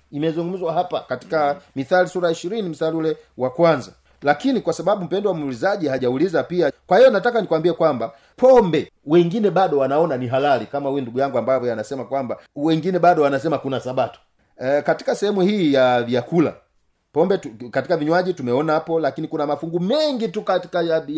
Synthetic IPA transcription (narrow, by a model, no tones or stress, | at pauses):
imɛzuŋɡum̩zwaɦapakati̥kamiθalisuɾaiʃiɾinim̩saliulɛwakwanza | lakinikwasaɓaɓum̩pɛndɔwamulizaʄihaʄaulizapiakwahijɔnatakanikwambiɛkwamba | pʰɔmbɛ | wɛŋɡinɛɓaɗɔwanaɔnaniɦalalikamaujunduɡujaŋɡuambavɔjanasɛmakwambawɛŋɡinɛɓaɗɔwanasɛmakunasaɓatu̥ | kati̥kasɛhɛmuhiːjavjakula̰ | pɔmbɛtukatikaviɲwaʄitumɛɔnahapɔlakinikunamafuŋɡumɛŋɡitukati̥kaja